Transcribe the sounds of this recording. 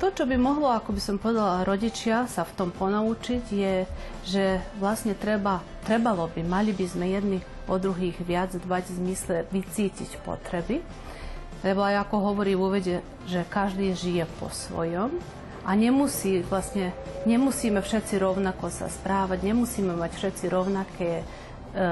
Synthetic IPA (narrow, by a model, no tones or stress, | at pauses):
t̪ɔt͡ʃɔbimɔɦlɔakɔbisɔmpɔʋɛd̪alaɾɔɟit͡ʃɪasaft̪ɔmpɔnaut͡ʃiɟjɛ | ʒɛʋlasɲɛt̪ɾɛba | t̪ɾɛbalɔbimalibizmɛjɛd̪ni | ɔd̪ɾuɦiːɣʋɪad͡zd̪ʋaɟvzmislɛʋit͡siːcḭcpɔ̰t̪ɾɛbi | lɛbɔajakɔɦɔʋɔɾiːvuʋɛɟɛ | ʒɛkaʒd̪iːʒijɛpɔ̰sʋɔ̰jɔm | aɲɛmusiːʋlasɲɛɲɛmusiːmɛfʃɛt͡siɾɔʊnakɔsa̰spɾaːʋaɟɲɛmusiːmɛmacfʃɛt͡siɾɔʊnakʰɛː